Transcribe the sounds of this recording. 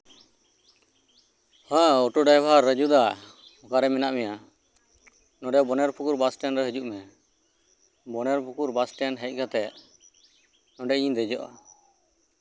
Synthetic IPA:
hãɔʈuɖajbʱaɾːəd͡ʒud̪aɔkaɾɛmɛnaʔmɛja | nɔ̃ɖɛbɔnɛɾpʰukuɾbasʈɛnɾɛɦəd͡ʒuʔmɛ | bɔnɛɾpʰukuɾbasʈɛnɦɛc̚ˀkat̪ɛ | nɔ̃ɖɛiɲd̪ɛd͡ʒɔʔa̰

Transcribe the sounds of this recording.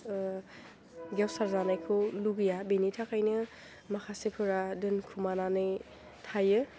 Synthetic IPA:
ɡawsaɾzanajkʰoluɡɯjabenitʰakʰajnɯ | makʰasepʰɯɾadɯnkʰumananɯj | tʰajɯ

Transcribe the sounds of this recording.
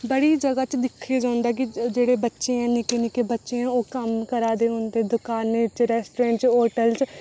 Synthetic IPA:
bəɽiːd͡ʒəɡaːt͡ʃd̪ɪkʰːeːd͡ʒãːnd̪aːk̬ɪd͡ʒeːɽeːbətːʃẽːãːnɪkeːnɪkeːbətːʃeãːoːkəmkəɾaːd̪eːɦõːnd̪eːd̪ʊkaːnt͡ʃɾɛːsʈːɾɛ̃ːɳʈt͡ʃɦoːʈəlt͡ʃ

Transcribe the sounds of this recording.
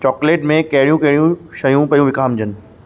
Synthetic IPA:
t͡ɕɔːkleːʈmẽkɐɦɪɽijũkɐɦɪɽijũʃɐjũpɐjũʋɪkaːmd͡ʑʱənɪ̆

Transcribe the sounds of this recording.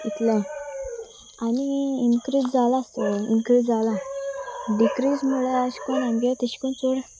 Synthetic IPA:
it̪lə̃ | aniinkɾid͡zd͡zalaːst̪ɔinkɾid͡zd͡zala | ɖikɾismuɭaaɕkɔnambjat̪əɕkunt͡soɽ

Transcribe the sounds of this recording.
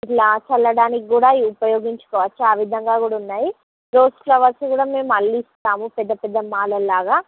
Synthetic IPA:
ilaːt͡ʃɐlːɐɽaːnikiɡuːɽaːiupɐjoːɡiɲt͡ʃɐ̥kɔːʋɐt͡ʃːuaːʋid̪ʱɐŋɡaːkuːɽaːunːaːji | ɾoːsʈlɐʋɐsikuːɽaːme̞ːmɐɭːiːst̪aːmupɛd̪ːɐpɛd̪ːɐmaːlɐlːaːɡaː

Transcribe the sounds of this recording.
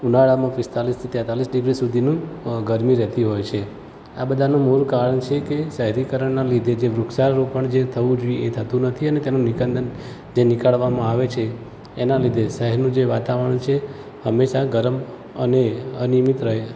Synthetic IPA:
unaɭamãpɪst̪alist̪ʰit̪ɛ̃t̪alisɖɪɡɾisud̪ʱinũɡəɾmiɾɛɦt̪iɦojt͡ʃʰe | abəd̪ʱanũmoɾukaɾəɳt͡ʃʰekesəɦɾikəɾəɳnalid̪ʱed͡ʒeʋɾʊkʃaɾɾopəɳd͡ʒet̪ʰəʋũd͡ʒʋiet̪ʰət̪ũnət̪ʰiənet̪enũnikənd̪ən | d͡ʒenɪkaɭʋamãaʋet͡ʃʰeː | nalid̪ʱesəɦɛnũd͡ʒeʋat̪aʋəəɳt͡ʃʰe | həmːeʃaɡəɾm | ə̰neənimit̪ɾəɦe

